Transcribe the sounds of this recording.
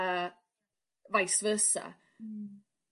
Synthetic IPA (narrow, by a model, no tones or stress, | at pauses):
ə | vajsvəːsə̰